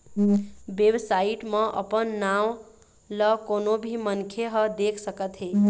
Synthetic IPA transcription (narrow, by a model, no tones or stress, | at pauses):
bebsaiʈmʌʔʌ̰pənːaw | lʌkonobʱimʌnkʰeɦʌd̪ekʰsʌkʌt̪ɦe